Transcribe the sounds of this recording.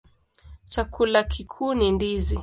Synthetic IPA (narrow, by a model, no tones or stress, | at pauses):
t͡ʃakulakikʰuːnindizi